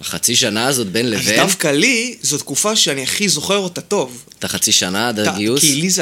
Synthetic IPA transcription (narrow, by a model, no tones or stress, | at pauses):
aχat͡siʃanaːzo̞t̪̚benlezveafkalizot̪kufaʃeaniaχizo̞χeʁot̪ato̞vt̪aχat͡siʃanad̪aɡiukiliz